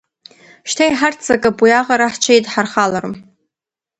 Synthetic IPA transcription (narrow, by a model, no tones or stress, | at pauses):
ʃtʰajħart͡sʰakʼapʼwiaʁaɾaħt͡ʃʷʰajtʼħarχalaɾṵm